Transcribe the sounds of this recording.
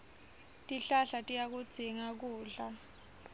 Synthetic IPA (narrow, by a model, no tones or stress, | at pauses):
tʼiɬaɬatʼijak̬ud̥z̥ʱiŋak̬uːɮa